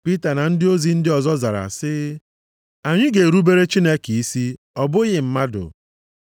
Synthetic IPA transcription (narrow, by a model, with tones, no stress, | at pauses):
pi˦ta˨na˨n̩˦dɪ˦o˦zi˨n̩˦dɪ˦ɔ˨zɔ˦za˨ɾa̰˨sɪ˦ | a˨ɲɪ˦ɡe˨ɾu˦be˦ɾe˦t͡ʃi˦ne˦ki˨i˦si˦ | ɔ˦bʊ˦ɣɪ˨m̩˦ma˦dʊ̰˨